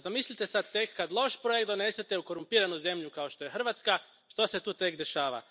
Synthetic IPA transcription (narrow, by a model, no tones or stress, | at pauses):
zamislʲit̪e̞sad̪t̪e̞kːad̪lˠo̞ʃpɾojek̚t̪d̪o̞ne̞set̪e̞uko̞ɾumpiːɾanuze̞mʎukao̞ʃt̪o̞jexr̩ʋat̪ska | ʃt̪o̞se̞t̪uːt̪e̞kd̪e̞ʃaːʋa̰